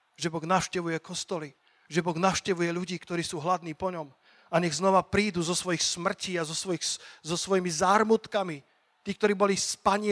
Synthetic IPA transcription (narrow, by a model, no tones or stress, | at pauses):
ʒɛbɔɣnaʊʃcɛʋujɛkɔst̪ɔli | ʒɛbɔɣnaʊʃcɛʋujɛʎuɟiːkt̪ɔɾiːsuːɦlad̪niːpɔɲɔm | aɲɛɣznɔʋapɾiːd̪uzɔsʋɔjixsmr̩ciːazɔsʋɔjixszɔsʋɔjimizaːɾmut̪kami | t̪iːk̚t̪ɔɾiːbɔlispaɲɪ